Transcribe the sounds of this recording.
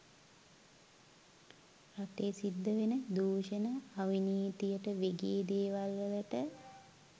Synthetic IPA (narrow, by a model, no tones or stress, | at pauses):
raʈeːsid̪ːəʋenəd̪uːʃənəaʋiniːt̪ijəʈəʋeɡeːd̪eːʋalʋələʈə